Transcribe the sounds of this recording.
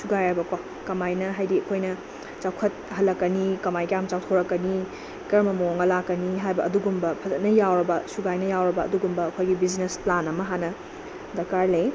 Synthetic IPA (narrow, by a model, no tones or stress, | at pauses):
suɡajaɐbɐkwa | kɐmajnɐɦajdiɐkʰojnɐ | t͡ʃawkʰɐt̚hɐlːɐkːɐnikɐmajkɐjamt͡ʃawtʰowɾɐkːɐni | kɐɾmɐmooŋɡɐlakːɐniɦajbɐɐduɡumbɐpʰɐzɐt̚nɐjawɾɐbɐsuɡajnɐjawɾɐbɐ̰ːduɡumbɐːkʰojɡibiznesplanɐmɐɦanɐ | dɐkaɾlej